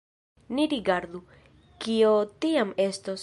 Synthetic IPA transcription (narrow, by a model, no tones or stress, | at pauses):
niɾiɡaɾd̪u | kiotiame̞stos